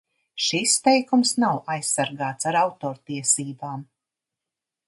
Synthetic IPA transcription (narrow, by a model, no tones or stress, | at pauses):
ʃist̪ɛjkumsnawʔajsːaɾɡaːt̪saɾawt̪ɔːɾt̪iɛsiːbaːm